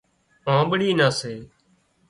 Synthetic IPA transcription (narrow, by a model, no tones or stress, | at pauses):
ãːɓəɽiːnaːseː